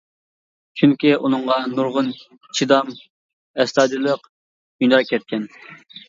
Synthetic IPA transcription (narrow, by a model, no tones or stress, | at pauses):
t͡ʃʰyŋkʲiʔunɨɴʁɑnuɾʁʊn | t͡ʃʰid̪ɑm | ɛst̪ɑːd̪ilˠəq | ynɑɾkʲʰɛt̪̚kʲɛn